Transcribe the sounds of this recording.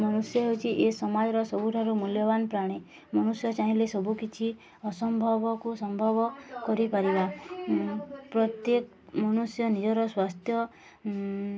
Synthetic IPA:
mɔnusjɔɦewt͡ʃʰiʔesɔmad͡ʒɔɾɔsɔbʱuʈʰaɾumuljɔbanɔpɾaɽ̃e | mɔñusjɔt͡ʃaɦĩlesɔbukit͡ʃʰi | ɔsɔmbʱɔbɔkusɔmbʱɔbɔkɔɾipaɾiba | pɾɔt̪jek | mɔñusjɔnid͡ʒɔɾɔswast̪ʰjɔ

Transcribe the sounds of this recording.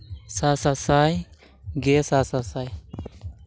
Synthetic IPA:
saːsasaj | ɡeːsaːsasaj

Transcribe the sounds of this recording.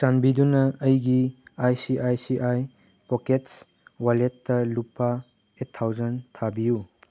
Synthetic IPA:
sanbidunɐːjɡiajsiʔajsiʔaj | pokets | waletːɐlupːa | etʰːawzɐntʰabiju

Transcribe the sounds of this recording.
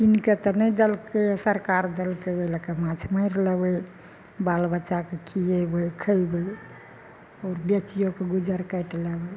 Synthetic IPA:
t͡ʃinket̪ɔnɛjd̪əlkesəɾkaɾd̪əlkebelekemat͡ʃʰməjɾləbəj | balbətːʃakekʰijebəjkʰəjbəj | ɔɾbet͡ʃijokeɡud͡ʒəɾkəjʈləbɛ

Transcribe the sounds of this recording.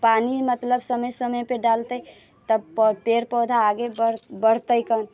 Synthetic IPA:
panimət̪ləbsəməjsəməjpeɖalt̪əj | t̪əbppeɾpəd̪ʱaːɡebəɾbəɾt̪əjkən

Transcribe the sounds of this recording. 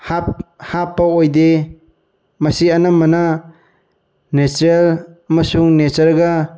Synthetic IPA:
haphapːɐojde | mɐsianamɐna | nesɾelɐmɐsuŋnet͡ʃɐɾɡɐ

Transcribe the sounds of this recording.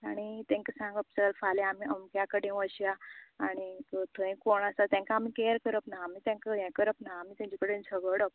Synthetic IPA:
aɽ̃it̪ɛ̃ŋkasãŋɡəp̚t͡səlfaleamiəmkjakəɽẽʋəɕjaaɽ̃ikət̪ʰə̃ĩkoɳasat̪jɛ̃ŋkaːmikeɾkəɾəpnaamiːt̪ɛ̃ŋkajɛ̃kəɾəpnaamiːt̪jãɲt͡ɕikəɽẽnsʰəɡəɽəp̚

